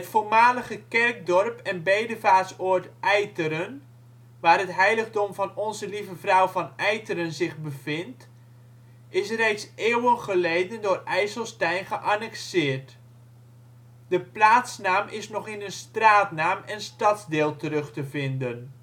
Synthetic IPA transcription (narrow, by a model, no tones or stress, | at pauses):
ətfoːrmaːləχəkɛrk̚dɔrpɛnbejdəvaːtsoːtʔɛjtəɾən | ʋaːrɦətɦɛjləɣdɔmvɑnɔnzəlivəvrɔwvɑnɛjtəɾənzɪχbəvɪnt | ʔɪsrejtsɪːwənχəlejdəndʊːrɛjsəlˠstɛjnχəʔanɛksɪːrt | d̥əplaːtsnaːmʔɪsnɔχɪnənstraːtnaːmɛnstɑtzdɪːlˠtərɵχtəvɪndən